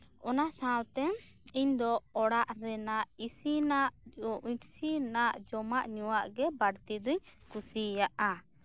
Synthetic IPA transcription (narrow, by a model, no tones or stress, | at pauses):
ɔnaʔsãwt̪ɛ | iɲd̪ɔɔɽaʔɾɛnaʔisinaʔiʈsinaʔd͡ʒɔmaʔɲuwaʔɡɛbaɽt̪id̪uɲkusijaʔa